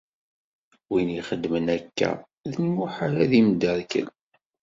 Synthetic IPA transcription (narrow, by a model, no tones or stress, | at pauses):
winiχəd̪ːmənækːæ̰ | ðənmʊħaɾaðimd̪əðkə̰l